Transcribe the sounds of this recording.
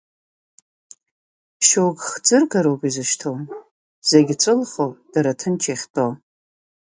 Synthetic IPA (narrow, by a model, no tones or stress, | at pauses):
ʃokχd͡zɨrkʰaɾowkʷʼizɨʃtʰown | z̥eɡʲt͡sʷʼɨlχod̥aɾatʰɨnt͡ʃʰeχʲtʼo